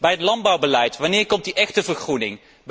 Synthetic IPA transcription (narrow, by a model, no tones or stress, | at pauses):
bɛjətlɑn̚bɑwbəlɛjtʋɑnɪːɹkɔmtdiʔɛxtəvəɹχrunɪ̰ŋ | b